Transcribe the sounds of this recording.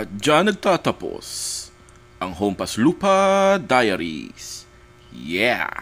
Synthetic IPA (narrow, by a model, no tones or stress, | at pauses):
ʔɐt̪̚d͡ʒanɐɡ̚t̪aːt̪ɐpo̰s | ʔɐŋɦompɐsluːpɐd̪ajɐɾḭs | jɛ̰